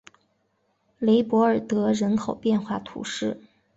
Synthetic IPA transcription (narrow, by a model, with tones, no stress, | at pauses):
le˧˥ɪpwɔ˧˥ə˞˨˩t̪ɤ˧˥ɻə˧˥nkʰo˨˩ʊpjɛ˥˧nxwa˥˩t̪ʰṵ˧˥ʂɻ̩˥˩